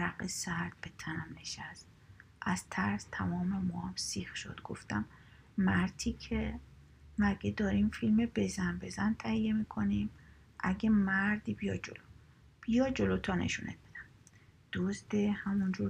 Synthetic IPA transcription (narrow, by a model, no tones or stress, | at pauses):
ɾæqesæɾd̪̥̚bet̪ʰænæmneʃæst̪̚ | ʔæz̥t̪ʰæɾst̪ʰæmɒːmemɒːæmsiːxʃo̰d̪̥ɡ̥o̰ft̪æmː | æɾt̪ʰiːcʰe | mæɡed̪ɒːɾiːmfilmebe̞zænbezænt̪ʰæhijːemiːkʰonim | ʔæɡʲemæɾd̪iːbijɒːd͡ʒolo | b̥ijɒːd͡ʒolot̪ʰɒːnḛʃunʔḛt̪̚b̥e̥d̪æmd̪̥ozd̪ehæmund͡ʒuː